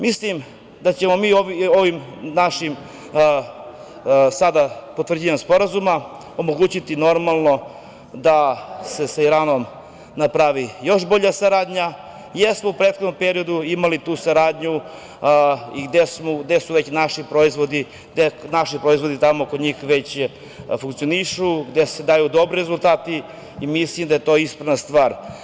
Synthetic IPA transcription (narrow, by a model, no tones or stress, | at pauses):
mislim | d̪at͡ɕe̞mo̞miːoʋoʋimnaʃim | sad̪apo̞t̪ʋr̩d͡ʑiʋaɲspo̞ɾazuma | o̞moɡuːt͡ɕit̪ino̞ɾmalˠno̞ | d̪ase̞saiɾaːno̞m | napɾaʋijo̞ʃbo̞ʎasaɾaːd̪ɲa | jesmoupɾet̪xod̪nompeɾio̞d̪uimalit̪uːsaɾaːd̪ɲu | iɡd̪esmoɡd̪esuʋe̞t͡ɕnaʃipɾoizʋod̪i | d̪enaʃipɾo̞izʋo̞d̪it̪amookoɲiːxʋet͡ɕ | fuŋkt̪sio̞niʃuɡd̪ese̞d̪ajud̪o̞bɾiɾezulˠt̪aːt̪i | imislimd̪ajet̪o̞ːispɾaʋnast̪ʋaːɾ